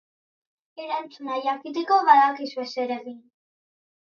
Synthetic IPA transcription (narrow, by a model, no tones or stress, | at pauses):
eɾant͡sunajakit̪̬ekoβaðakizeseɾeɣin